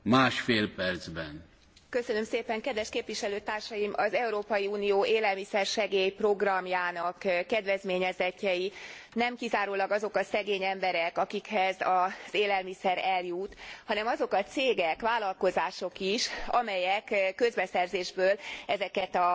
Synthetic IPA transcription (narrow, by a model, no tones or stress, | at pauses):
maːʃfeːlpɛrd̪zbɛn | kø̞sønø̞mseːpɛŋkɛd̪ʋɛʃkeːpʋiʃɛløːt̪aːrʃɒjimʔɒzɛuɾoːpɒjiuːnijoːʔeːlɛlmisɛrʃɛɡeːjpro̞ɡrɒmjaːnɒkkːɛd̪ʋɛzmeːɲɛzɛcːɛjinɛmkizaːɾulɒɡɒzo̞kɒsɛɡeːɲɛmbɛɾɛkɒkikhɛzɒz̥eːlɛlmisɛɾɛljut̪hɒnɛmɒzo̞kɒt̪seːɡɛkʋaːlɒlko̞zaːʃo̞kiʃɒ̰mɛjɛkkːø̞zbɛsɛrzeːʒbøːlɛzɛkɛt̪ɒ